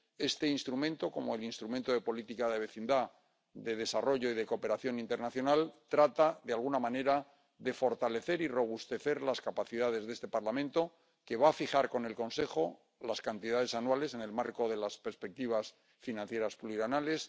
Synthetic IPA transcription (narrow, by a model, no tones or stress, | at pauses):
e̞st̪e̞inst̪ɾumẽ̞nt̪o̞ko̞moelinst̪ɾument̪o̞ðe̞po̞lit̪ikaðe̞βe̞θind̪a | ðe̞ð̞e̞saro̞ʝo̞iðe̞ko̞pe̞ɾaθjo̞nint̪e̞ɾnaθjonalt̪ɾat̪aðealɣunamãne̞ɾa | ðe̞fo̞ɾt̪ale̞θe̞ɾiro̞β̞ust̪e̞θe̞ɾlaskapaθiðað̞e̞zðe̞st̪e̞paɾlamẽ̞nt̪o̞ | ke̞β̞aːfixaɾko̞ne̞lko̞nse̞xo̞ | laskant̪iðað̞e̞sanwale̞se̞ne̞lmaɾko̞ðe̞laspeɾspe̞k̚t̪iβ̞as | finãnθje̞ɾaspuliɾanale̞s